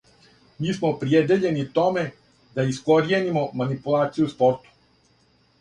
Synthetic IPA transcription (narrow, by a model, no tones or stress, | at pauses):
miːsmopɾjed̪e̞ʎe̞nit̪o̞me̞ | d̪aiskoɾjenimo̞manipulˠaːt̪sijuspo̞ɾt̪u̥